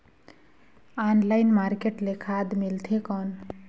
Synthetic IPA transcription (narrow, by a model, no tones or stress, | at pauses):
anlajnmaɾkeʈlekʰad̪milt̪ʰekɔn